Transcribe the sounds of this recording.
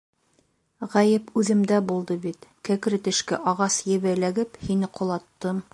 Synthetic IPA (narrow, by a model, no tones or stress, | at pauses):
ʁæjɘpʉðɘ̆md̪æbulˠd̪ɤbit̪kækɾɘt̪ɘ̆ʃkæʔɒʁɑsjɘ̆βælæɡɘphinɘqŏlˠɑt̪ːɤm